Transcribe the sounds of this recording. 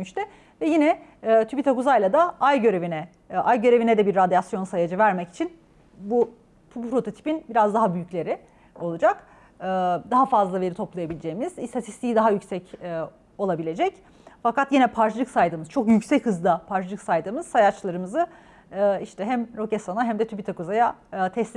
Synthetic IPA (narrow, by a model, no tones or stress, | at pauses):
myʃt̪ʰɛ | vɛjinɛːt̪ʰybit̪ʰakuzajlˠad̪aajɟø̞ɾe̞vinɛ | ʔajɟø̞ɾe̞vinɛd̪ɛbiɾːad̪ijasjo̞nsajad͡ʒɯvæɾmɛci̥t͡ʃʰin | bu | bupʰɾo̞t̪ʰo̞t̪ʰi̥pinbiɾazd̪aɦabyjyclʲe̞ɾɪ | o̞lˠud͡ʒak | ɯːd̪aɦafazlˠave̞ɾit̪ʰo̞plˠajabilʲed͡ʒe̞jimiz̥ist̪ʰat̪ʰist̪ʰijid̪aɦajycsɛcː | o̞lˠabilʲe̞d͡ʒɛc | fakat̪jinɛpʰaɾt͡ʃlˠɯksajd̪ɯmɯz̥t͡ʃʰo̞kjycsɛchɯzd̪ˠapʰaɾt͡ʃlˠɯksajd̪ɯmɯz̥sajat͡ʃlˠaɾɯmɯzɯ | ɯːiʃt̪ʰɛɦæmɾo̞cesonaɦɛmd̪ɛt̪ʰybit̪ʰakuzajaːt̪ʰɛsʲ